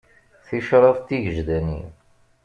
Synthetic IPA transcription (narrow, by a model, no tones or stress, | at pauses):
θiʃɾˤɑðˤt̪ːiʝəʒd̪ænḭ